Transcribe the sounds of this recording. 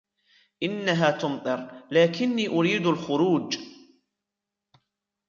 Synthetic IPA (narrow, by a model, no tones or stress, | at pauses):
ʔɪnːaɦaːt̪ʊmt̪ˤɨɾlaːkɪnːiːʔʊɾiːd̪alxʊɾuːd͡ʒ